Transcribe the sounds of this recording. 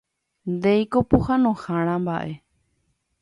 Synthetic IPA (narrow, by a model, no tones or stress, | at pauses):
nd̪ejkopuhãnõhãɽ̃ãmbaʔe̞